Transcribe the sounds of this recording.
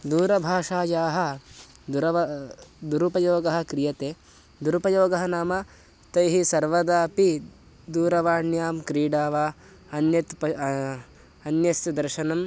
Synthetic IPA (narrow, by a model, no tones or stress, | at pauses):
d̪uːɾɐbʱaːʂaːjaːɦɐ | uɾɐʋɐd̪uɾupɐjoːɡɐɦɐ̆kɾijɐt̪eː | d̪uɾupɐjoːɡɐɦɐnaːma | t̪ɐjɦisɐɾʋɐd̪aːpi | d̪uːɾɐʋaːɳjaːmkɾiːɖaːʋaː | ɐnjɐt̪pɐ | ɐnjɐst̪ɐd̪ɐɾʃɐnɐm